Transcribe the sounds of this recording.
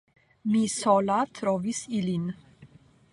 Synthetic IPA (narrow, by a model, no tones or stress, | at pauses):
misɔlat̪ʰɾɔvisilin